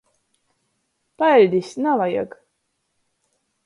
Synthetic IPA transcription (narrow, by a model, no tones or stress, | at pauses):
palʲd̪isnalaja̰ɡ